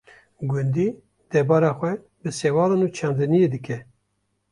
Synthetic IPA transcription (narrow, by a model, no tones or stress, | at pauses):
ɡʊnd̪i | d̪̥ɛɾbɑːɾɑxʷɛ | bɨsɛwɑːlɑnut͡ʃʰɑnd̪ɨnijed̪ɨkɛ